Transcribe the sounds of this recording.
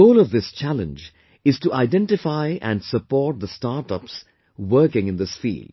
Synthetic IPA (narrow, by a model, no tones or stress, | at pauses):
oʊlʌvðɪst͡ʃælə̰̃nd͡ʒ | ɨz̥tuʔaɪdɛ̃ntɪfaɪʔæ̰̃nsəpɔːt̪̚ðəstaːɾʈəps | wə˞kɪ̃ŋɨ̃nðɪsfḭːld̥̚